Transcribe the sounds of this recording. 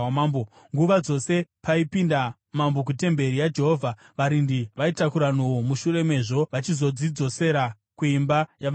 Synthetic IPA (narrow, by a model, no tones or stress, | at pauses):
mbo | ŋɡuʋad͡zo̞se̞paipinda | mambo̞k̬ute̞mbe̞ɾijad͡ʒe̞ɦovʱa | ʋaɾindiʋaitakuɾanowomuʃure̞me̞ʐo̞ʋat͡ʃizo̞d͡zid͡zo̞se̞ɾa | kuimbajaʋ